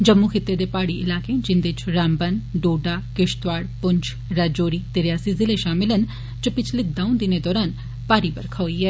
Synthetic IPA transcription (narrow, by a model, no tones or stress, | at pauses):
d͡ʒəmːukʰɪt̪ːed̪eːpaːɽiʔɪlaːkẽd͡ʒɪnd̪ɪt͡ʃɾaːmbənɖoːɖaːkɪʃt̪ʋaːɽpʊɲt͡ʃ | ɾad͡ʒoːɾiːt̪eːɾɪjaːsizɪleʃaːmɪlən | d͡ʒəpɪt͡ʃʰlɪd̪aːũnd̪ɪneːd̪ɔːɾaːn | paːɾibə̰ɾkʰaoiːɦɛː